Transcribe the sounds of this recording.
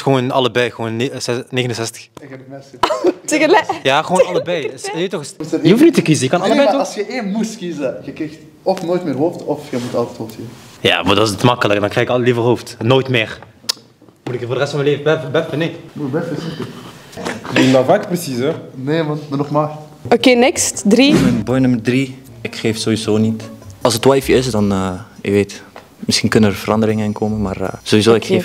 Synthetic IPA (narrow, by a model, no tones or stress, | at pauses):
xʋoːnɑləbɛjɣəʋoːnɛneːɣənənsɛstəxɛpmɛsteɣəljaːxəʋoːnnɑləbɛjsetɔxəssəjəhuftnitəkizəjəkɑnɑlləbɛjtɔsxəʔeːnmustkizəɣəkrixt | ɔfnoːjtmɪːrɦoːftɔfxəmutɑlˠtɛthoːftkivəja̰ːʋɑ̰dɑnɪsətmɑkələkədɑnkrɛɣɪkɑllivərɦoːftnoːjtmɪːr | mutɪkvoːrdərɛstfɔɑməleːvəbɛfəbɛfəneːmubɛfəsitə | nenawvaːkəprəsisɛneːmɑnmənɔχmaːr | okeːnɪkstdrimɛnbɔjnɵmərdri | ɪkχeːfsoːʋizoːnitɑlˠsətwajfɪsdɑnəɪkʋeːt | mɪsxinkɵnənərvərɑndəɾɪŋəɪnkʰoːmənmaːr̰z̥oizoːɪkxeːf